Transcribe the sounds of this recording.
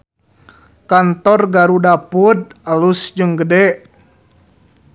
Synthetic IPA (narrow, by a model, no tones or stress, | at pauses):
kant̪ɔrɡaɾudapud̪̚alusd͡ʒɨŋɡədɛʔ